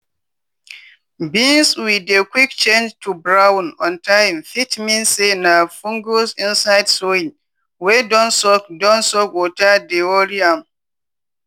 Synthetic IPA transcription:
bĩnswidekwikt͡ʃẽnd͡ʒtʰubɹawnɔ̃ntʰãjmfitmĩnsenafũŋɡosĩnsaɪdsoĩŋ | wedɔ̃nsɔkdɔ̃nsɔkwɔtadeoɾiãm

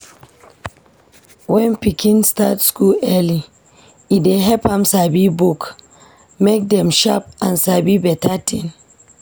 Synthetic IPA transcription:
wɛ̃npikʰĩnstatskulɛli | ideɦɛpãmsabibuk | mek̚dɛ̃mʃap̚ãnsabibɛtatĩn

